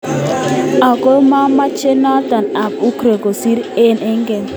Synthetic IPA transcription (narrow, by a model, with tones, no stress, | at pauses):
a˨ko˦ma˦ma˦t͡ʃe˦nɔ˦t̪a˨na˨p̚u˦kɾe˨ko˨si˦ɾɪ˦nɪ˦ŋɡɛ˨n